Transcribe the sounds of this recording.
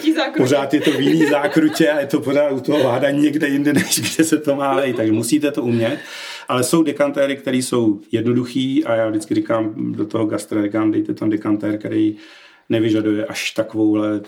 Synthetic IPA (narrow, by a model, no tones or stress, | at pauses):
pozaːt̪jɛt̪o̞vjɪniːzaːkɾucɛajɛt̪o̞po̞ɾaːt̪ut̪oɦovaːdaɲiɲɛɡdɛjɪndɛnɛʃɡdɛsɛt̪o̞maːlɛjt̪aɡʒɛmusiːt̪ɛt̪o̞ʔumɲɛt̪ | ʔalɛsowdɛkant̪ɛːɾɪk̚t̪ɛɾiːso̞wjɛdnoduxiːajaːvdɪt͡skɪɾikaːmdot̪oɦoɡast̪ɾaɾikaːmdɛjt̪ɛt̪amdɛkant̪ɛːɾkɛɾɛj | nɛvɪʒadujɛʔaʃt̪akovowlɛ